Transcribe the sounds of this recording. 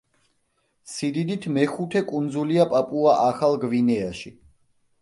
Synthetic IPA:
sid̪id̪it̪ʰmɛχut̪ʰɛkʼund̪zuliapʼapʼuaʔaχalˠɡvinɛaʃi

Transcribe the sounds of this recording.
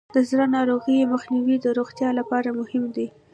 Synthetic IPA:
d̪̥əzɾanɑɾoɣəjeməxniwid̪əɾoɣt̪jɑlapɑɾamʊhɪmd̪i

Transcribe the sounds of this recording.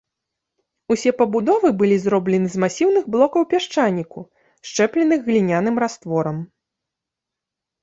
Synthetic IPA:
usʲɛpɐbud̪ɔvɨbɨlʲizɾɔblʲɛnɨzmasʲiwnɨɣblˠɔkɐwpʲaʂt͡ʂanʲːiku | ʂt͡ʂɛplʲɛnɨɣːlʲinʲanɨmɾast̪vɔɾɐm

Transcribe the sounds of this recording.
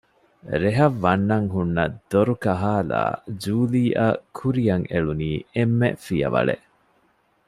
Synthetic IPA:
ɾeɦɐʋːɐnːɐŋɦunːɐd̪̥oɾukɐɦaːla̰ːd͡ʒuːliːʔɐkʰuɾijɐŋeɭuniːemːḛfijɐ̰ʋɐ̰ɭḛʔ

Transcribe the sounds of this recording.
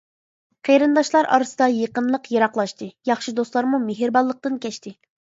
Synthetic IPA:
qʰeɾɨnd̪ɑʃlˠɑɾɑ̰ɾɨsɨd̪ɑjeqənlˠəqjeɾɑqlˠɑʃt̪ɨjɑχʃid̪oslˠɑɾmumeɦiɾbɑlˠːəq̚t̪ɨnkʲɛʃt̪ʰɪ

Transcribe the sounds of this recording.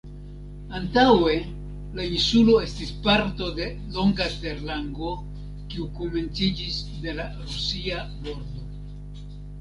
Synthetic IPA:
antawe̞ | lainsulo̞e̞stispaɾto̞de̞ | lo̞ŋɡate̞ɾlaŋɡo̞ | kiuko̞me̞nt͡sid͡ʒis | de̞laɾusiabo̞ɾdo̞

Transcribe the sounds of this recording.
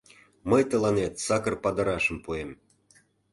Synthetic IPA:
məjt̪ə̆lɑnet̪sɑkə̆rpɑd̪ɤ̆ɾɑʃə̆mpuem

